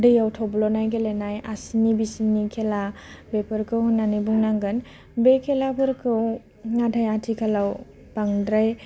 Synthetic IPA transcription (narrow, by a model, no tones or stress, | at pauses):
dɯjawtʰɔblɔnajɡelenajʔasinibisinikʰelabepʰɯɾkʰɯwhnːanibuŋnaŋɡɯn | bekʰelapʰɯɾkʰɯw | ŋatʰajatʰikʰalaw | paŋdɾaj